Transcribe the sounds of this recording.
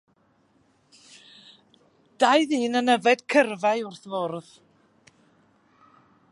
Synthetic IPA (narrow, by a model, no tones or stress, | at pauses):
d̥ajðiːnənəvɛd̥kʰərvaɨʊrθvɔrð